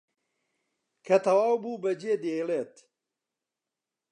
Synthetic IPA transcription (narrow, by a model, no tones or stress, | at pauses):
kʰɐt̪ɐwaːwbuːbɐd͡ʒeːd̪eːjleːt̪